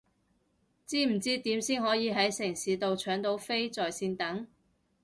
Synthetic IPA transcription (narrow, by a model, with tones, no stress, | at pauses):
t͡siː˥m̩˨˩t͡siː˥t̪iː˨˥msiː˥nɦɔː˨˥jiː˨˧ɦɐ˨˥jsɪ˨˩ŋsiː˨˧t̪o˨˧wt͡ʃʰœː˨˥ŋt̪o˨˥wfe˥jt͡sɔː˨jsiː˧nt̪ɐ˨˥ŋ